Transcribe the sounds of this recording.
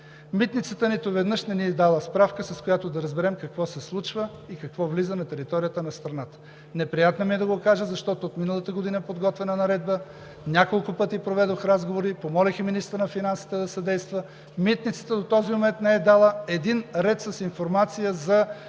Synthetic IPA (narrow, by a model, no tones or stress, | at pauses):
mit̪nit̪sət̪ənit̪ovɛd̪nɤʃnɛniɛd̪alˠəspɾafkəsɐskojat̪od̪ɐɾəzbɛɾɛmkɐkvɔsɛslˠut͡ʃvə | ikɐkvɔvlizənɐt̪ɛɾit̪ɔɾijət̪ənɐst̪ɾɐnat̪ə̥ | nɛpɾijat̪nɐmiɛd̪ɐɡokaʒəzɐʃt̪ɔt̪oːt̪minəlˠət̪əɡod̪inəɛpod̪ɡɔt̪vɛnənɐɾɛd̪̚bə | nʲakolˠkʊpɤt̪ipɾovɛd̪oxɾazɡovoɾipomɔlɛximinist̪əɾnɐfinansi̥t̪ɛd̪ɐsɐd̪ɛjst̪və | mit̪nit̪sə̥t̪əd̪ot̪ɔzimomɛnt̪nɛɛd̪alˠəɛd̪inɾɛt̪sɐsinfoɾmat̪sijəzɐ